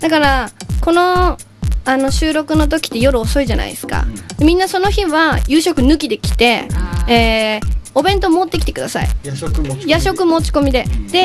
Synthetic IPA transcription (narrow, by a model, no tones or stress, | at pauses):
d̪̥akaɾako̞no̞ | ano̞ɕɨːɾo̞kɯ̟no̞t̪̬o̞kʲi̥t̪ːe̞jo̞ɾɯ̟oso̞iʑana̰ḭesɨ̥ka̰d̪e̞mʲĩnːaso̞no̞çiβajɯːɕo̞kɯ̟nɯ̟kʲid̪e̞kʲi̥t̪e̞eːo̞bẽ̞nt̪o̞mo̞ːt̪ːe̞k̬ʲi̥t̪e̥kɯ̟d̪asa̰ḭ | jaɕo̞kɯ̟mo̞ːt͡ɕi̥ko̞mʲid̪e̞d̪̥e̞